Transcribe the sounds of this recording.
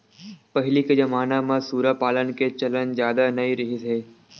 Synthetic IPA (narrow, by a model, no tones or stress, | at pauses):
pɐɦɪliked͡ʒɐmaːnamãsuːɾapaːlənket͡ʃɐlənzjaːd̪anɐĩɾɪɦiseː